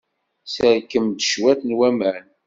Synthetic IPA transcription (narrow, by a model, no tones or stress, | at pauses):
səɾkːəmd̪ʃwæθnwæmæn